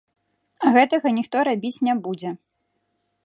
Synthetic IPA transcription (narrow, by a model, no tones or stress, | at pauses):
ɣɛt̪ɐɣɐnʲixt̪ɔɾabʲit͡sʲnʲɛbud͡zʲɛ